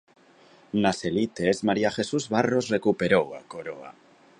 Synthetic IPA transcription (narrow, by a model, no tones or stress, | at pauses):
naselit̪ezmaɾiaxesuzβarozrekupeɾowa̰koɾoa̰